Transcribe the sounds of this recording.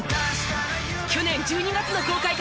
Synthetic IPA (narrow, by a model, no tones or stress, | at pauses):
kʲonẽ̞ɲd͡ʑɨːɲ̟iɡat͡sɨno̞koːkajk̪